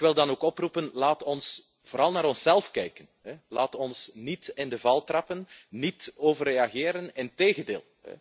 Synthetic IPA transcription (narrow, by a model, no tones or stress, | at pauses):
kʋɪlˠdɑnoːkɔprupənlaːtɔns | v̥oːɾɑlˠnaːɾɔnsɛlˠfkɛjkənɦɛlaːtɔnsnitɪndəvɑlˠtrɑpənnitoːvəreːɑɣɪːɾənɪnteːɣəndḛːlˠɦɛ̰